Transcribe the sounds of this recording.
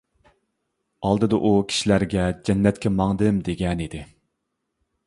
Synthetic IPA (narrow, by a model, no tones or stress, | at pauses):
ɑlˠd̪ɨd̪ɑʔukʲʰi̥ʃilæɾɡʲɛd͡ʒɛnːɛt̪kʲɛmɑŋd̪ɨmd̪eɡʲɛnid̪ɪ